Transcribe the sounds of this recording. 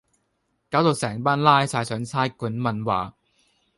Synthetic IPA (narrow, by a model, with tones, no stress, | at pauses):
kaː˨˥wt̪o˨˧wsɛː˨˩ŋpaː˥nlaː˥jsaː˧jsœː˨˥ŋt͡sʰaː˥jkuː˨˥nmɐ˨nwa̰ː˨˩